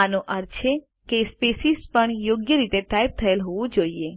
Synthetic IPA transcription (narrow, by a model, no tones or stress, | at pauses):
anoʔəɾt͡ʃʰe | kespesispəɳjoɡjəɾit̪eʈajp̚t̪ʰəelɦoʋũd͡ʒoie